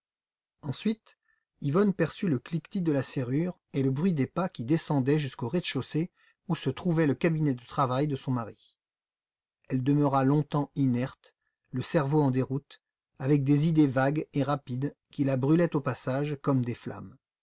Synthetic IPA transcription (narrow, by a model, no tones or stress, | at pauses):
ɑ̃sɥit̪ | ivɔnpɛʁsyləklikt̪id̪əlaseʁyʁ | eləbʁɥid̪epakʲid̪esɑ̃d̪ɛʒyskoʁed̪ʃose | usət̪χuvɛləkabinɛd̪ət̪χavajd̪əsɔ̃maʁi | ɛld̪əmœʁalɔ̃t̪ɑ̃inɛʁt̪ | ləsɛʁvoɑ̃d̪eʁut̪ | avɛk̚d̪ezid̪evaɡeʁapid̪kʲilabʁylɛt̪opasaʒkɔmd̪efla̰m